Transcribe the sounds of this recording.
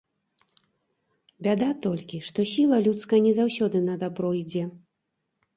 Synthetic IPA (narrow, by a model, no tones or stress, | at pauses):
bʲad̪at̪ɔlʲkʲiʂt̪ɔsʲilˠɐlʲut̪skɐjɛnʲɛzawsʲɔd̪ɨnɐd̪abɾɔid͡zʲɛ